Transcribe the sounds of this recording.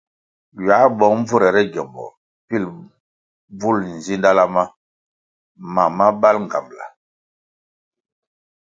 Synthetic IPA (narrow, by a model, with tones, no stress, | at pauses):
ɥa˨˦bɔ˨ŋɱ˦vu˦ɾɛ˨ɾɛ˦ɡɔ˨mbɔ̰˨ | pi˦˨l | b͡vu˦ln̩˨zi˦nda˦la˦ma˦ | ma˨ma˦ba˦lŋ˨ɡa̰˨mla̰˨